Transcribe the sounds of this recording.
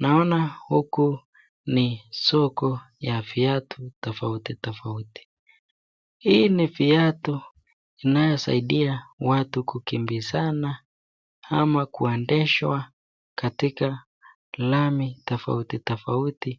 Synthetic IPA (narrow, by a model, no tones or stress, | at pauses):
naɔnahuku | nisɔkɔ | jafiatʰutɔfautitɔfauti̥ | hinifiatu | inajɔsa̰iɗiawatukukimbizana | amakuɛndɛʃwa | katika | lamitɔfa̰utitɔfauti